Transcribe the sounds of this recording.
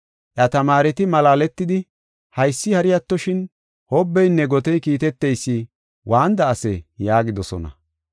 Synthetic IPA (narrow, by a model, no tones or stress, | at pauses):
ʔjɐt̪ɐmaːɾɛt̪ɪmɐlaːlɛt̪ːɪd̪ɪ | hɐjsːɪhɐɾɪjɐt̪ːɔʃɪn | hɔbːɛjnːɛɡɔt̪ɛjkiːt̪ɛt̪ːɛjsːɪ | wʔaːnd̪ɐːsɛjaːɡɪd̪ɔsɔ̰nɐ̰